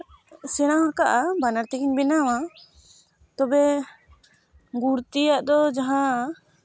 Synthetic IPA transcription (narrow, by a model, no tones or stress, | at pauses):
sɛɽ̃awɦãkaʔabanaɾt̪ɛkiɲbɛnawa | t̪ɔbɛ | ɡuɾt̪ijaʔd̪ɔd͡ʒaɦã